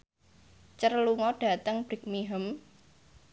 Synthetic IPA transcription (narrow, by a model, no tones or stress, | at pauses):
t͡ʃərluŋɔɖ̥ä̤t̪əŋb̥ɪk̚miɦəm